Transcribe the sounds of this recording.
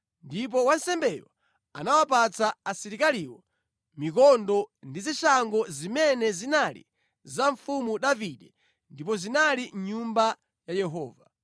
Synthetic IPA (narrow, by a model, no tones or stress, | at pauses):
ndip̬ɔwansɛmbɛjɔ̰ | a̰nawapat͡saasiɾikaliwɔ | mikɔndɔndiziʃaŋɡɔzimɛnɛzinalḭ | zaɱfumuɗaviɗɛ | ndipɔzinaliɲumba | jajɛɦɔ̰ːva